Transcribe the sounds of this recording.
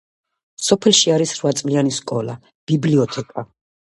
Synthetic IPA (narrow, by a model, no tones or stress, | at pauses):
sɔpʰɛlˠʃiaɾisɾvat̪sʼlianiskʼɔlˠa̰ | b̥ibliɔt̪ʰɛkʼa